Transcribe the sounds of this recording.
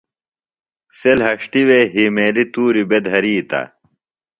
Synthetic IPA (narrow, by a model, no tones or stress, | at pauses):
selɦɐʂʈiweɦimeːlit̪uːɾibed̪ɦɐɾiːt̪ɐ̰